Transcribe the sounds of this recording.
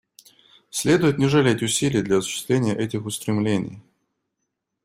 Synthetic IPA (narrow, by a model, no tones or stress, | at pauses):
sʲlʲe̞d̪ʊjɪt̪nʲɪʐɨlʲetʲʊsʲilʲɪjəd̪lʲɐɐsʊ̥ɕːɪ̥st̪vlʲenʲɪjəʔɛtʲɪxʊst̪ɾʲɪmlʲenʲɪ̰j